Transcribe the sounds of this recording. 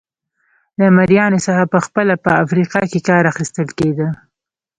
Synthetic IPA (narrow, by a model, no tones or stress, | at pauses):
lamaɾjɑnosəxapəxpəlapəafɾiqɑkekɑɾaxist̪əlked̪ə